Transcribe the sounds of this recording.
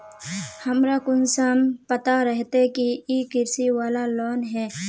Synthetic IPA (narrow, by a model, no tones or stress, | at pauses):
hɐmɾakʊnsampɐt̪aɾɛɦt̪ekiikɪɾsiwaːlaloːnɦɛː